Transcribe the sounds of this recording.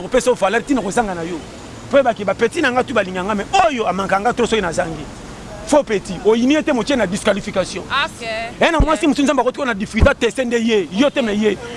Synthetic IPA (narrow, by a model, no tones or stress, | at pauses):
kopesovalɛtinakozaŋɡanajo | pojbakebapetinaŋɡatubaliŋɡiaŋɡamɛojoamakaŋɡatosoinazaŋɡi | fopetiojinietemot͡ʃenadiskwalifikasjɔ̰̃enamwasimosnzabkotiadifizatesendejejotemɛje